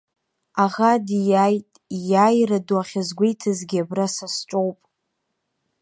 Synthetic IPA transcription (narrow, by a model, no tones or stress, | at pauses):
aʁadijajtʼijajraduaχʲazɡʷejtʰɨzɡʲiabrasasʈ͡ʂʷʼowpʼ